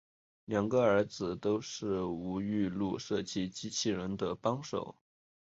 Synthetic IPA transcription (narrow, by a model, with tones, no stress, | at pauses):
ljɑ˨˩ŋɡə˧ə˞˧˥d͡zɹ̩˩t̪o˥ʊʂɻ̩˥˩u˧˥y˥˧lu˥˧ʂɤ˥˩t͡ɕʰi˥t͡ɕi˥t͡ɕʰi˥˩ɻə˧˥nd̪ə˧pɑ˥ŋʂo̰˨˩˦ʊ